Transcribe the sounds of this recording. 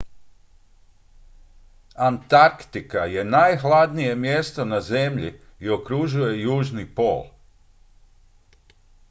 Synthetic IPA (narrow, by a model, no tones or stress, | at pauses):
ant̪aɾkt̪ikaje̞najxlˠad̪nije̞mje̞st̪o̞naze̞mʎḭio̞kɾuʒuje̞juːʒnipo̞̰ːl